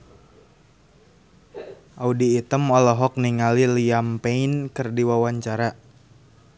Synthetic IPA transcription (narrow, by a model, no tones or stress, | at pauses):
ʔaudiːt̪əmɔlɔɦɔk̚niŋaliliampeinkɨrdiwawaɲt͡ʃaɾa